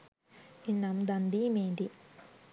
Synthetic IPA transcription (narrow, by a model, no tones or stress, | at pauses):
inːamd̪ɐnd̪imeːnd̪i